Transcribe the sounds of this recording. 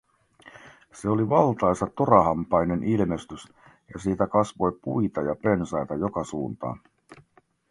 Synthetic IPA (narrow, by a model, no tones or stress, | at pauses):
se̞o̞liʋɑlt̪ɑjsɑt̪oɾɑɦɑmpɑjne̞nʔilme̞st̪ys | jɑsiːt̪ækɑsʋo̞jpuijt̪ɑjɑpe̞nsɑjt̪ɑjo̞kɑsuːnt̪ɑ̰ː